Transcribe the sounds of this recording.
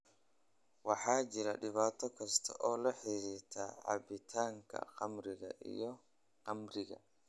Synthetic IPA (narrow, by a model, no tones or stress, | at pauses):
waħaːd͡ʒiɾaɗɪβaːt̪ɔkɐst̪ʰɔʔɔːlɐħiɾiɾt̪ʰaʕa̰bit̪ʰaːŋkɐ̰qɐmɾɪɡa̰ʔḭjɔ | qɐmɾɪɡa̰